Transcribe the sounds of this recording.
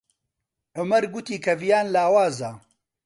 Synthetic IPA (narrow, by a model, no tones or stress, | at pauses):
ʕʊmɐɾɡʊt̪iːkʰɐvijaːnlaːwaːzɐ